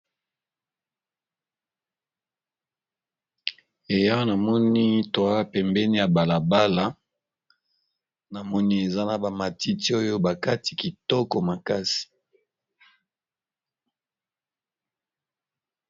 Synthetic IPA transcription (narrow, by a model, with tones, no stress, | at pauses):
e˨ja˦o˦na˨mɔ˦ni˦twa˦˨pɛ˨mbɛ˦ni˦ja˨ba˨la˨ba˦la˨˦ | na˨mɔ˦ni˦e˨za˦na˨ba˨ma˨ti˦ti˦o˦jo˦ba˨ka˦ti˨ki˨tɔ˦kɔ˨ma˨ka˦si̥˨